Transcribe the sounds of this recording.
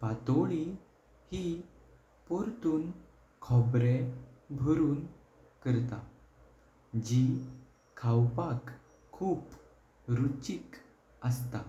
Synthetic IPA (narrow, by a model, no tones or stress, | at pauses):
pat̪oɭi | hi | pɔɾt̪uːn | kʰɔbɾebʱəɾuːn | kəɾt̪a | d͡ʑi | kʰawpakʰː | uːp | ɾut͡ɕik | əst̪a